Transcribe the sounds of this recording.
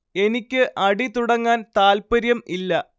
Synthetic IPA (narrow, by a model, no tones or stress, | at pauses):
e̞nikʲːɨʔɐɽit̪uɽɐŋːaːnt̪aːlpɐɾjɐmilːɐ